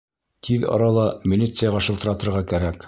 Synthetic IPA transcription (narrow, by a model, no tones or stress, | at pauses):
t̪ʰiðɑ̰ɾɑlˠɑmʲɪlʲit̪sɨjɑʁɑʃɤ̆lt̪ɤ̆ɾɑt̪ɤ̆ɾʁɑkæɾæk